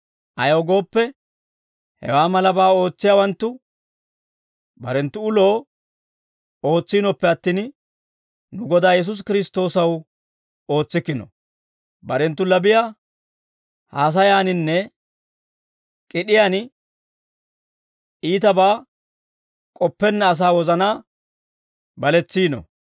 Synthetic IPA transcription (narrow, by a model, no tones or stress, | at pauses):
ʔɐjoːɡo̞ːpːɛ | hɛ̰waːmɐlɐbaːo̞ːt͡sːɪjaːwɐnt̪ːʊ | bɐɾɛnt̪ːʊʊlo̞ː | o̞ːt͡sːiːnɔpːɛɐt̪ːiːn | nʊɡɔd̪aːjɛs̬ʊs̬kɪɾɪs̬t̪o̞ːsɐw | o̞ːt͡sːɪkːɪnɔ̰ | bɐɾɛnt̪ːʊlɐbɪja | haːs̬ɐjaːnɪnːɛ | kʼɪɗɪjaːn | iːt̪ɐbaː | kʼɔpːɛnːɛɐs̬aːwɔzɐnaː | bɐlɛt͡sːiːnɔ̰